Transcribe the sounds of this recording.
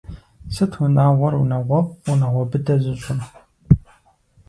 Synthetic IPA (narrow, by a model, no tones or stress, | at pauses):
sɨtʰwʊnaːʁʷɔrṵnɐʁʷɔʁunɐʁʷɔbɨdɐʑɨɬʼɨm